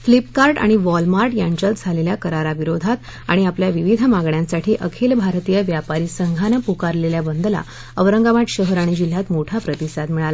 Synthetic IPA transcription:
flipkaɾʈa̰ɽ̃iʋɔlmaɾʈjãɲt͡ɕəld͡zʱaleljakəɾaɾaʋiɾod̪ʱat̪ | a̰ɽ̃iapljaʋiʋid̪ʱəmaɡɳjãnsaʈʰiːʔəkʰelbʱaɾt̪ijəʋjapaɾiːsəŋɡʱanapukaɾleljabənd̪əla̰ | əʋɾəŋɡaʋaʈɕəɦɾaɽ̃id͡ʑil̤jat̪moʈʰapɾət̪isad̪miɭala

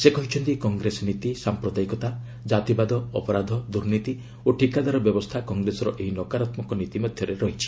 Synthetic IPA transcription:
sekɔɦit͡ʃʰɔnt̪ikɔŋɡɾesɔnit̪isampɾɔd̪ajikɔt̪a | d͡ʒat̪ibad̪ɔɔpɔɾad̪ʱɔd̪uɾnit̪i | oʈʰikad̪aɾɔbjɔbɔst̪ʰakɔŋɡɾesɔɾɔʔeɦinɔkaɾat̪mɔkɔnit̪imɔd̪ʱjɔɾeɾɔɦit͡ʃʰi̥

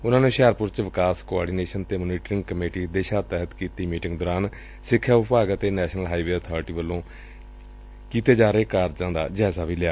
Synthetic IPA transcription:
ʊnãːnũːʃɛːɾpʊɾt͡ʃʋɪkaːskoaːɖiːneːʃənt̪eːməːniːʈɾɪŋɡkəmeːʈiːd̪eːʃaːt̪ɛːɦət̪kiːt̪iːmiːʈɪ̃ŋɡd̪ɔːɾaːn | sɪkʰːjaːʊppaːɡət̪eːnɛːʃnəlɦaːiʋeːəːt̪ʰɔːɾʈiːʋəlːõː | kiːt̪eːd͡ʒaːɾeːkaːɾd͡ʒãːd̪a̰ːd͡ʒɛːzaːʋiːlɪjaː

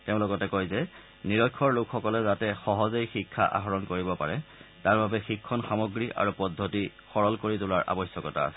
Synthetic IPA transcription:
teʊ̃lʊkɔtɛkojzɛ | niɹɔjkʰːɔɹlʊkxɔkɔlɛzatɛxɔɦɔzejxikʰːa̰ʔa̰ɦɔɹɔnkoɹibɔpa̰ɹɛtaɹbabɛxikʰːɔnxamoɡɹiʔa̰ɹupɔdʱːoti | xɔɹɔlkoɹitʊlaɹʔa̰bɔjsjɔkɔta̰

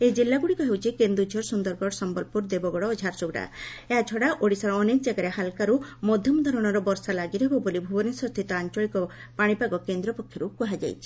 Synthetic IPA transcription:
ed͡ʒilːaɡuɽikɔɦewt͡ʃʰikend̪ɾud͡ʒʱɔɾsund̪ɔɾɡɔɾsɔmbɔlpuɾd̪ebɔɡɔɽɔːd͡ʒʱaɾsuɡɽa̰eɦat͡ʃʰɔɽaʔoɽisaɽɔːnekɔd͡ʒaɡaɾeɦalkaɾumɔd̪ʱjɔmɔd̪ʱɔɾɔɽ̃ɔɾɔbɔɾsalaɡiɾɔɦebɔbolibʱubɔnisɔst̪ʰit̪ɔant͡ʃɔɭikɔ | paɽ̃ipaɡɔkend̪ɾɔpɔkʰːjɔɾukuɦad͡ʒa̰jt͡ʃʰi̥

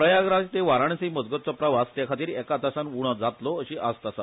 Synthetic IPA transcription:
pɾəjaɡɾãtt̪eʋaɾaɳ̃siməd͡zɡət̪̚t͡sɔpɾəʋast̪jakʰat̪iːɾɛkat̪asanuɽ̃ɔd͡zat̪lɔəɕiʔast̪asa

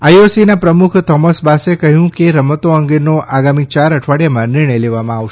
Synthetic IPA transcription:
ajosinapɾəmukʰt̪ʰɔməsbasekəɦjũkeɾəmət̪oəŋɡenoʔaɡamit͡ʃaɾəʈʰʋaɽjamãnɪɾɳ̃əjleʋamãaʋʃe

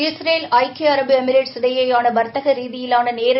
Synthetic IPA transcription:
ɪsɾeːlɐɪkeɐɾɐbɯɛmɪɾeʈsɪɽɐjɐjaːnɐbɐɾt̪ːɐɣɐɾiːðɪjɪlaːnɐneːɾ

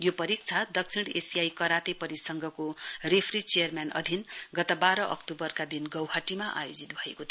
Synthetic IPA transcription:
jopʌɾik̚t͡sʰad̪ʌk̚t͡sʰiɽḛsijajkʌɾat̪epʌɾisʌŋɡʱʌkorepʰrit͡sejʌrmjanʌ̰d̪ʱinɡʌt̪ʌbaɾʌʔʌ̰kʈobʌrkad̪inɡʌwɦaʈimaʔa̰jod͡zit̪bʱʌḛkot̪ʰ

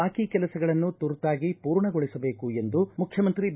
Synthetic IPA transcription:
aːkikɛlɐsɐɡɐɭɐnːut̪uɾt̪aːɡipuːɾɳɐɡoɭisɐbe̞ːkue̞nd̪umukʰjɐmɐnt̪ɾib

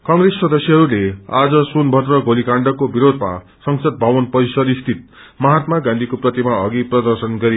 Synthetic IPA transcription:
kʌŋresːʌd̪ʌsjʌɦʌɾulead͡zʌsunbʱʌt̪rʌɡolikaɳɖʌkobiɾod̪ʱma̰ | sʌŋsʌd̪̚bʱawʌnpʌisʌɾist̪ʰit̪̚ | mʌɦat̪maɡãnd̪ʱikoprʌt̪imaʌɡiprʌd̪ʌrsʌnɡʌɾi

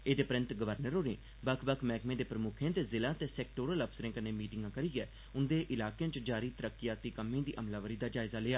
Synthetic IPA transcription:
eːd̪eːpəɾɪ̃nt̪ɡəʋəɾnəɾɦoːɾḛ̃ː | bəkʰbəkʰmɛːkmẽːd̪eːpɾəmʊkʰẽːt̪eːzɪlãːt̪eːsɛːkʈoːɾələpʰsəɾẽːkəneːmiːʈɪŋɡãːkəɾiːɛː | ʊnd̪eːʔɪlaːkejãt͡ʃd͡ʒaːɾiːt̪əɾəkːɪjaːt̪iːkəmːẽːd̪iːʔəmlaːʋəɾiːd̪aːd͡ʒaːɪzaːleːaː

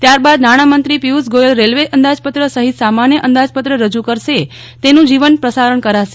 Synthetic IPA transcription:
t̪jaɾbad̪naɽ̃amənt̪ɾipiusɡojəlɾelʋeʔənd̪ad͡ʒpət̪ɾəsəɦit̪samanjəʔənd̪ad͡ʒpət̪ɾəɾəd͡ʒukəɾʃe | t̪enũd͡ʒiʋənpɾəsaɾəɳ̃kəɾaʃe

